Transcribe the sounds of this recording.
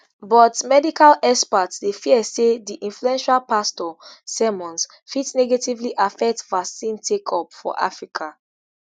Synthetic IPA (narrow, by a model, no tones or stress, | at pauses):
bɔtmɛdikalɛspatsdefiɛsediʔĩnfluɛ̃nʃalpastɔsɛmɔ̃ns | fitsnɛɡetivliʔafɛk̚tvasĩntʰekʰɔpfɔ̰ʔa̰fɹikʰa